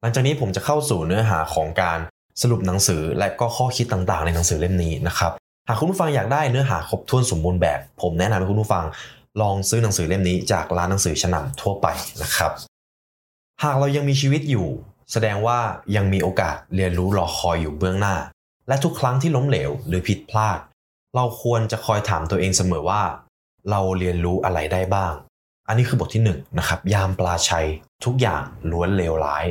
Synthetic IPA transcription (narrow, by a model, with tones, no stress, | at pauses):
la˦ŋt͡ɕaː˨˩niː˦˥pʰo˩˦mt͡ɕa˨˩kʰa˥˩wsuː˨˩nɯ˦˥ɐɦa̰ː˩˦kʰɔː˩˦ŋkaː˧n | sa˧ɾu˨˩p̚na˩˦ŋsɯː˩˦lɛ˦˥kɔː˥˩kʰɔː˥˩kʰi˦˥t̪ːa˨˩ŋt̪aː˨˩ŋna˧jna˩˦ŋsɯː˩˦le˥˩mniː˦˥na˦˥kʰɾa˦˥p̚ | ha˨˩kʰu˧npʰu˥˩fa˧ŋjaː˨˩k̚daː˥˩jnɯ˦˥ɐɦaː˩˦kʰo˦˥p̚t̪ʰu˧ənso˨˩˦mbuː˧nbɛ̰ː˨˩pʰːo˩˦mnɛ˦˥na˧mhkʰu˧pʰuː˥˩fa˧ŋ | lɔː˧ŋsɯː˦˥na˨˩˦ŋsɯː˩˦le˥˩mniː˦˥t͡ɕa̰ː˨˩k̚laː˦˥nːa˩˦ŋsɯː˩˦t͡ɕʰa˧na̰˨˩mt̪ʰu˥˩ɐpa̰˧jna˦˥kʰɾa˦˥p̚ | haː˨˩k̚ɾa˧wja˧ŋmiː˧t͡ɕʰiː˧wi˦˥t̪̚juː˨˩ | sa˧dɛː˧ŋwaː˥˩ja˧ŋmiː˧ʔoː˧ka̰ː˨˩t̪̚ɾi˧ənɾuː˦˥lɔː˧xʰɔː˧jːuː˨˩bɯ˥˩əŋnaː˥˩ | lɛ˦˥t̪ʰu˦˥kʰɾa˦˥ŋt̪ʰiː˥˩lo˦˥mleː˩˦wɾɯː˩˦pʰi˨˩t̪̚pʰlaː˥˩t̪̚ | ɾa˧wkʰu˧ənt͡ɕa˨˩kʰɔː˧jt̪ʰaː˩˦mt̪u˧əʔeː˧ŋsa˧mɤː˩˦waː˥˩ | ɾa˧wli˧ənɾuː˦˥ʔa˧ɾa˧jdaː˥˩jbaː˥˩ŋ | ʔa˧nːiː˦˥kʰɯː˧bt̪ʰi˥˩nɯ˨˩ŋna˦˥kʰa˦˥p̚jaː˧˩mplaː˧t͡ɕʰa˦˥jt̪ʰu˦˥k̚ja̰ː˨˩ŋlu˦˥ənleː˧wla̰ː˦˥j